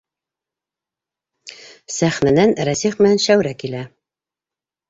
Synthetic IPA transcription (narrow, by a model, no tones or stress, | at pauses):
sæχnænænɾæsiχmɘ̆nænʃæwɾækilæ